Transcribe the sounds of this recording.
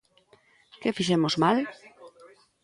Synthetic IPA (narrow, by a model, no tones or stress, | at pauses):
kefiʃ̬emozmal